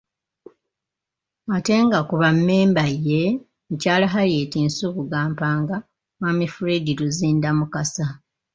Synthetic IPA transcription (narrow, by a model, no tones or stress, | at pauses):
ate̞ːŋɡakuβamːeːmbajːe̞ | ucaːlaɦaljeːtiːnsuβuɡaːmpaːŋɡa | mamifuɾediɾuziːndamukasa